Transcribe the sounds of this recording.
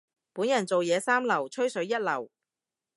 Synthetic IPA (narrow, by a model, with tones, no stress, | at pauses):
puː˨˥njɐ˨˩nt͡so˨wjɛː˨˧saː˥mlɐ˨˩wt͡ʃʰɵ˥ɥsɵ˨˥jɐ˥t̚lɐ˨˩w